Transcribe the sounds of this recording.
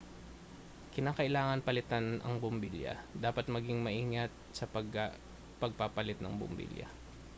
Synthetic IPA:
kɪnaːkɐʔɪlaːŋɐnpɐlɪt̪anʔɐ̰ŋbʊmbiljɐ̰d̪aːpɐt̪̚mɐɡɪŋmɐʔiːŋɐt̪̚sɐpɐɡ | pɐɡ̚papɐlɪt̪̚nɐ̰ŋbʊ̰mbḭljɐ̰

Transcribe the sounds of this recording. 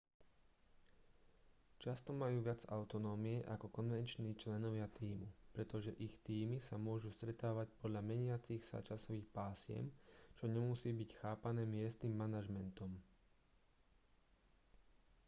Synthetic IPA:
t͡ʃast̪ɔmajuːʋɪad͡zaʊt̪ɔnɔːmiɛʔakɔkɔnʋɛnt͡ʃniːt͡ʃlɛnɔʋɪat̪iːmupɾɛt̪ɔʒɛʔixt̪iːmisamʊɔʒust̪ɾɛt̪aːʋacpɔd̪ʎamɛɲɪat͡sixsa̰t͡ʃasɔʋiːxpaːsɪɛ̰mt͡ʃɔɲɛmusiːbicxaːpanɛːmɪɛst̪nimːanaʒmɛnt̪ɔm

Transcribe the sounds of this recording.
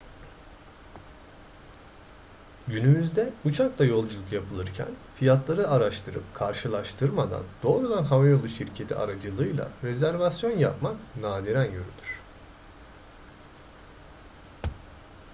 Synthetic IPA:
ɟynymyzd̪ɛut͡ʃʰaklˠajo̞lˠd͡ʒulˠukjapʰɯlˠɯɾcʰæ̰nfijat̪lˠaɾɯaɾaʃt̪ʰɯɾɯ̰pkʰaɾʃɯlˠaʃt̪ʰɯɾmad̪a̰nd̪̥o̞ːɾud̪anɦavajo̞lˠuʃiɾcʰe̞t̪ʰḭa̰ɾad͡ʒɯlˠɯjlˠa̰ɾezæɾvasjo̞njapmaknaːd̪iɾænjø̞ɾy̰d̪yɾ̝̥

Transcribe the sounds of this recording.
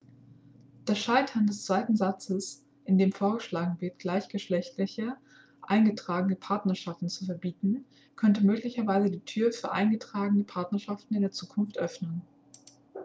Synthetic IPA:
d̥eɐsʃaɪtʰɐndɛst͡sv̥aɪtn̩zat͡səs | ʔɪndeːmfoːɐɡəʃlaːɡŋ̩vɪɐtɡ̥laɪçɡ̥əʃlɛçtlɪçə | ʔa̰ɪnɡətʁ̥aːɡənəpʰaɐtnɐʃaftn̩t͡sufɛɐbiːtn̩ | kʰœntəmøːklɪçɐvaɪzədiːtʰyːɐfyːɐʔa̰ɪnɡətʁ̥aːɡənəpʰaɐtnɐʃaftn̩ɪndeːɐt͡suːkʰʊnftʔœfnən

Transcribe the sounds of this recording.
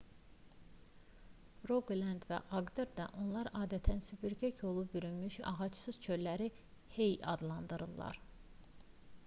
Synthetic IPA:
ɾoɡlænd̪væ̰ʔɑɡd̪eɾd̪ɑʔo̞nlˠɑɾɑːd̪æt̪ʰænsypyɾcʰæcʰo̞lˠubyɾymyʃɑ̰ʁɑt͡ʃsɯz̥t͡ʃʰø̞llæɾi | hejɑ̰d̪lˠɑnd̪ɯɾɯlˠːɑ̰ɾ

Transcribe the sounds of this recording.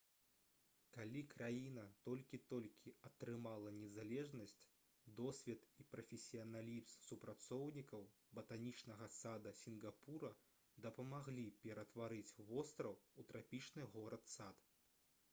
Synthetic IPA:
kalʲikɾajinɐt̪ɔlʲkʲit̪ɔlʲkʲʰiɐt̪ɾɨmalˠɐnʲɛzalʲɛʐnɐsʲt͡sʲ | d̪ɔsʲvʲɛt̪ipɾɐfʲɛsʲijɐnalʲipssupɾat̪sɔwnʲikɐw | bɐt̪anʲit͡ʂnɐɣɐsad̪ɐsʲinɡapuɾɐ | d̪ɐpɐmaɣlʲipʲɛɾɐt̪vaɾɨt͡sʲvɔst̪ɾɐwut̪ɾʔapʲit͡ʂnɨɣɔɾɐt̪sat̪

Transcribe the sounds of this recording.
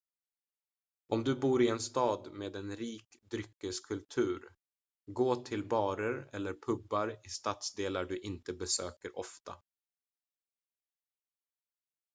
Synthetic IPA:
ʔɔmd̪ɵbuːɾɪɛnst̪ɑːd̪meːd̪ɛnɾiːkd̪ɾʏkːəskʰɵlt̪ʰʉ̟ːɾ | ɡoːt̪ʰɪlbɑːɾəɾɛlːəɾpʰɵbːaɾɪst̪at̪sd̪eːlaɖɵʔɪnt̪əbɛsøːkəɾɔft̪a̰

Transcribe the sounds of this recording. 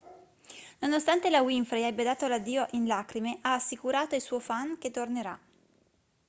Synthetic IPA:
nonost̪ant̪elawiɱfɾejɛbːed̪aːt̪olad̪ːiːoʔinlaːkɾimeʔaːsːikuɾaːt̪oilsuːofaŋk̟et̪ːorneɾa

